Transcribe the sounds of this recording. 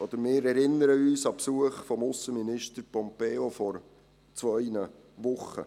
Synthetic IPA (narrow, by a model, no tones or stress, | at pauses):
ɔd̪̥əɾmɪːɾɛɾɪnəɾəyːsɑpsuəχfɔmʊsəminɪʃtəɾpɔmpeːofɔɾ | t͡sʋœʏnə | ʋʊχə̰